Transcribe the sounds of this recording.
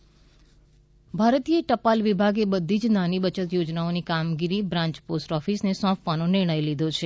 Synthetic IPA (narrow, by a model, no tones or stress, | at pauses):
bʱaɾt̪ijeʈəpalʋibʱaɡebəd̪ʱid͡ʒnanibət͡ʃət̪jod͡ʒnaonikamɡiɾibɾãɲt͡ʃposʈɔfisnesɔ̃pʰʋanonɪɾɽ̃əjlid̪ʱot͡ʃʰe